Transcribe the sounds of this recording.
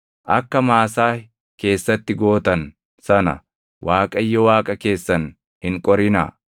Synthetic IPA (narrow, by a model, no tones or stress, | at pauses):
ʔɐkːɐmaːsaː | ke̞ːsːɐt̪ːɪɡo̞ːt̪ɐn | sɐnɐ̰ | waːkʼɐjːɔwaːkʼɐke̞ːsːɐn | hɪŋkʼɔɾɪna̰ː